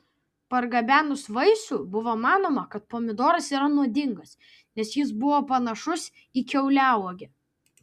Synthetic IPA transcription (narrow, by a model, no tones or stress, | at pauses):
pɐɾɡɐbʲæːnʊsʋɐɪsuːbʊʋoːmɑːnoːmɐkɐt̪̚poːmʲɪd̪oːɾɐsiːɾɐnuɔd̪ʲɪŋɡɐs | nʲɛsjɪs̬bʊʋoːpɐnɐʃʊs | ikʲɛʊlʲæʊoːɡʲɪ